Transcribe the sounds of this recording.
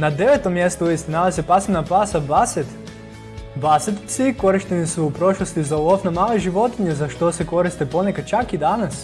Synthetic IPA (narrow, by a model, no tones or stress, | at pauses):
nad̪ɛvɛt̪omjɛst̪oisninavɐsʲɛpasɛnapasabasɛt̪ | basɛt̪sikoɾiʃt̪ɛnisuupɾɔʃlˠost̪izalˠɔfnamalˠɛʒivɔt̪iɲʲɛzaʃt̪osɛkoɾist̪ɛponɛkat͡ʃakid̪anɐs